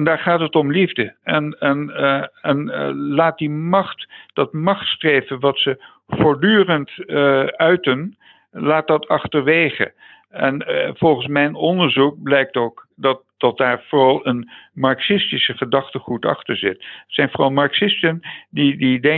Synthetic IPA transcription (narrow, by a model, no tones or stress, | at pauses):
ndaːɹχaːtɦətɔmlivdəɛnɛnɛnlaːt̚dimɑχtd̥ɑtmɑχtstrejvənʋɑtsə | v̥oːɹdyːrənt | œɥtən | laːt̚dɑtʰɑχtəɹʋejχə̰ | ɛnv̥ɔlˠχənsmɛjnɔndəɹzuk̚blɛjk̚toːkdɑt̚d̥ɑt̚daːɹv̥oɹɑlˠənmɑɹksɪstisəχədɑχtəχutɑ̰χtəɹzɪtətsɛjnvorɑlˠmɑɹksɪstəndididɛ